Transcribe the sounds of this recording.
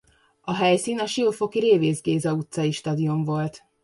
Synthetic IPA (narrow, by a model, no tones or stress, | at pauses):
ɒɦɛjsiːnɒʃilfo̞kiɾeːveːzɡeːzɒut̪sɒiʃt̪ɒd̪ioɱvo̞lt̪